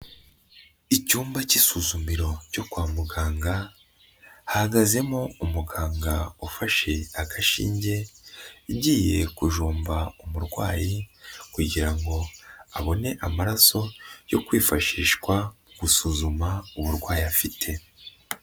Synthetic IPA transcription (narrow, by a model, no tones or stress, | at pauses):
icuːmbacisuzumiɾo̞co̞kwaːmuɡaːŋɡa | hahaɡaze̞moumuɡaːŋɡaufaʃe̞akʰaʃḭːɲɟe̞iɟiːje̞kuʒuːmbaumuɾɡwa̰ːjikuɟiɾaŋɡo̞aβo̞ne̞ʔamaɾaso̞jo̞̰kwiːfaʃiːʃkwauɡusuzumauβuɾɡwaːjiafitʰe̞